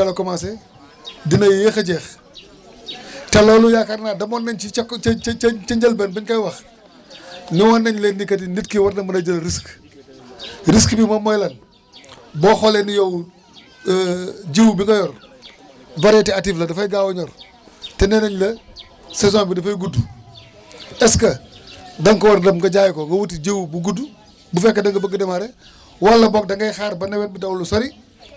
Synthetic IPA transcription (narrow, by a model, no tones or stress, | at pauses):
alokɔmas̬ɛ | dinɐjjexɐɟɛx | tɛlɔːlujakɐɾnadɐmɔːnːɛnt͡ʃik | t͡ʃɐɲd͡ʒɐlbɛnbinkɐjwɐx | niwɐnːɐɲlenːikɐtinitkiwɐtnɐmɐnɐd͡ʒɐlɾisk | ɾiskbimɐmɔjlɐn | bɔːxɔlenijow | d͡ʒewubiŋɡɐjɔr | vaɾɛtiatiflɐdɐfɐjɡaːwɐɲɔːɾ | tɛnɛnɐɲlɐ | sɛzɔ̃bidɐfɐjɡudu | ɛskɐdɐŋkɐwɐɾdɐmɡɐɟaːjkɔŋɡɐwutid͡ʒewubuɡudːu | bufɛkːɐdɐŋɡɐbɐɡɐdɐmaɾɛ | wɐlːɐbɔːk̚dɐŋɡɐjxaːɾbɐnɛwɛnbidɐwlusoɾi